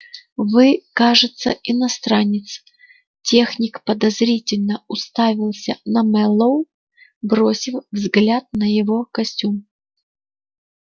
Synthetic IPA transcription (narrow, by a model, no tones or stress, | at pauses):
vɨkaʐɨt̪səɪnɐst̪ɾanʲːɪt̪s | tʲe̞xnʲɪkpəd̪ɐzɾʲitʲɪlʲnəʊst̪avʲɪlˠsʲənɐmɛlˠəw | bɾosʲɪfvzɡlʲat̪̚nəjɪvo̞kɐsʲtʲum